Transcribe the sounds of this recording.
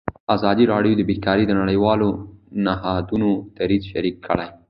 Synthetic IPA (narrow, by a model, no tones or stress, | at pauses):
aːzaːd̪iɾaːɽijod̪əbikaːɾid̪ənɐɽɐjwaːlonɐɦaːd̪unot̪ɐɾizʃɐɾiːkːɐ̰ɭaj